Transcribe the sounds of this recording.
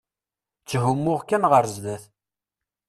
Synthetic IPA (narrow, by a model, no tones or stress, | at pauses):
t͡sːɦʊmːʊʁkːænʁəɾzðæθ